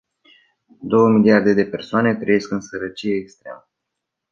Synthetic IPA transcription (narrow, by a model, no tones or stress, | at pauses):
d̪o̞wəmiliard̪e̞d̪e̞pe̞rsoane̞t̪ɾəje̞skɨnsəɾət͡ʃijeːkst̪ɾeea̰mə